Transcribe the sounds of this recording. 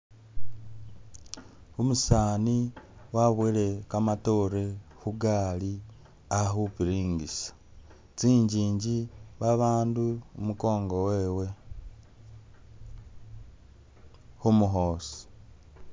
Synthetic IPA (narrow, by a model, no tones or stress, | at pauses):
umusaːniwaβwile̞kamato̞ɾehuɡaːli | axupiɾiːŋɡisḁ | t͡siːɲɟiːɲɟiβaβaːnduumuko̞ːŋɡowe̞ːwe̞ | xumuɦo̞ːsi̥